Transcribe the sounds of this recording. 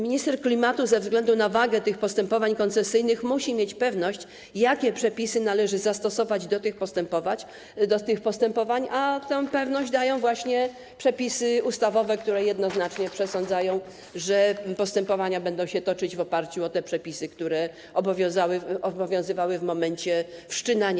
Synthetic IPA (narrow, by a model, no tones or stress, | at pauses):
mʲiɲist̪ɛɾklʲimat̪uzɛvzɡlɛnd̪unavaɡɛt̪ɘxpɔst̪ɛmpɔvaɲkɔnt̪sɛsɘjnɘxmuɕimʲjet͡ɕpɛvnɔɕt͡ɕ | jakʲɛpʂɛpʲisɘnalɛʐɘzast̪ɔsɔvad͡ʑd̪ɔt̪ɘxpɔst̪ɛmpɔva | d̪ɔt̪ɘxpɔst̪ɛmpɔvaɲat̪ɛ̃w̃pɛvnɔʑd͡ʑd̪ajɔ̃w̃vwaɕɲɛ | pʂɛpʲisɘust̪avɔvɛk̚t̪uɾɛjɛd̪nɔzn̪at͡ʂɲɛpʂɛsɔ̃nd̪zajɔ̃w̃ | ʐɛpɔst̪ɛmpɔvaɲabɛnd̪ɔ̃w̃ɕɛt̪ɔt͡ʂɘd͡ʑvɔpaɾt͡ɕuɔt̪ɛpʂɛpʲisɘkt̪uɾɛ | ɔbɔvʲjɔ̃zawɘɔbɔvʲjɔ̃w̃zɘvawɘvmɔmɛɲt͡ɕɛfʂt͡ʂɘnaɲ